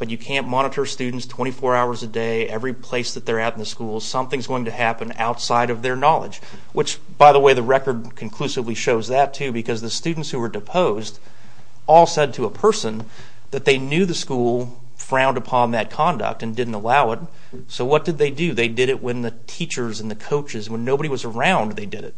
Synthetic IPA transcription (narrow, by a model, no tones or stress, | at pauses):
b̥ʌt͡ʃɨkʰæ̃nmɑɾ̃əɾə˞stʉdⁿn̩tstʰw̥ɛ̃ɾ̃ifɔɹaʊə˞zɨdeɪɛvɹipʰl̥eɪsðɨt̪̚ðə˞aʊɾn̩ðəskulˠsʌ̃mθɪ̃ŋzɡoʊɪ̃ŋtʰɨhæpɨ̃na̰ʊtsaɪɾʌvðə˞nɑlˠə̰d͡ʒ | wɨt͡ʃ | b̥aɪðəweɪðɨɹɛkə˞d̚kʰɨ̃n̩kʰl̥ʉsɨvliʃoʊzðɨtʰʉbɨkʰʌzðɨstʉdⁿn̩tshʉwə˞dɨpʰoʊzd | ɔlˠsɛd̚tʰɨəpʰɜ˞sə̃n | ðɨt̪̚ðeɪnjʉðɨskulˠ | fɹãʊ̃ndəpʰɑ̃nðɨt̚kʰɑ̃ndə̰k̚tɨ̃ndɪdⁿn̩təlaʊɪt̚ | soʊwʌt̚d̥ɨd̪̚ðeɪdɨðeɪdɨɾɨʔwʔɨ̃nðɨtʰit͡ʃə˞zɨ̃nðɨkʰoʊt͡ʃɨzwə̃nːoʊbɨɾiwʌzə˞ãʊ̃nd̪ðeɪdɨɾɨ̰t̚